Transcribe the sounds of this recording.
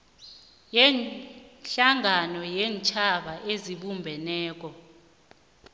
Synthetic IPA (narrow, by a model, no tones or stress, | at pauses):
jɛnɬaŋʱanɔjɛːnt͡ʃʰʼaɓaʔeziɓumbʱɛnɛːk̬ʼɔ